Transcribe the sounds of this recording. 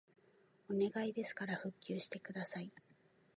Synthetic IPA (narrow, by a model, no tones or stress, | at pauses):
o̞ne̞ɡaid̪e̞sɨ̥kaɾaɸɯ̟kʲːɨːɕi̥t̪e̞kɯ̟d̪asai